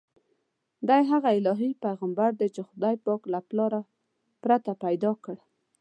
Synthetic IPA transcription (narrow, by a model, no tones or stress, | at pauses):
d̪ajɦaɣaɪlɑɦipajɣambaɾd̪et͡ʃexʊd̪ɑjpɑklaplɑɾa | pɾat̪apajd̪ɑkəɽ